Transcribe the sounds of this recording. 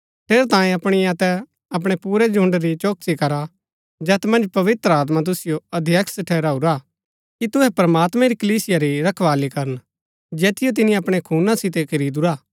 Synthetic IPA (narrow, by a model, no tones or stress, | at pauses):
ʈʰeːɾt̪ãːẽɐpɽ̃iɐt̪ɛ | ɐp̬ɽ̃epuːɾɛd͡ʒʱʊ̃ɳɖɾit͡ʃoːk̚sikɐɾa | d͡ʒɛːt̪mɐ̃nd͡ʒpɐʋɪt̪ɾəaːt̪̬mat̪̬ʊsɪjoɐd̪ʱjɐkʰsʈʰɛːɾaːuɾa | kit̪ʊɦɛpɾɐmaːt̪mɛ̃ɾikɐliːsɪjaɾiɾɐkʰʋaːlikɐɾən | d͡ʒɛːt̪ʰɪjot̪̬ɪnĩɐpɽ̃ekʰuːnasɪt̪ekʰɐɾiːd̪uɾaː